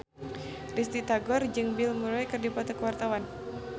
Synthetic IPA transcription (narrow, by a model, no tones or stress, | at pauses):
rist̪it̪aɡɔrd͡ʒɨŋbilmuɾajkɨrdipɔt̪ɔkəwart̪awan